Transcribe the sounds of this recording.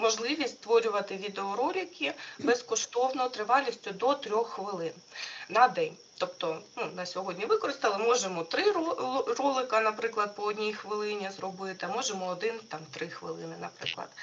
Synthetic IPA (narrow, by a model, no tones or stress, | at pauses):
mɔʒlˠɪʋʲisʲtʲst̪ʋɔɾʲʊʋɐt̪ɪʋʲid̪eɔɾɔlʲɪkʲɪbɛskɔʃt̪ɔwnɔt̪ɾɪʋɑlʲisʲtʲʊd̪ɔt̪ɾʲɔxːʋɪlˠɪnnɐd̪ɛnʲ | t̪ɔpt̪ɔnunɐsʲɔɦɔdʲnʲiʋɪkɔɾɪst̪ɐlˠɪmɔʒemɔt̪ɾɪrɔlˠɪkɐnɐpɾɪklˠɐd̪̚pɔɔdʲnʲijxʋɪlˠɪnʲizrɔbɪt̪ɪɐmɔʒemɔːd̪ɪnt̪ɑmt̪ɾɪxʋɪ̰lˠɪ̰nɪnɐ̰pɾɪ̰klˠɐ̰d̪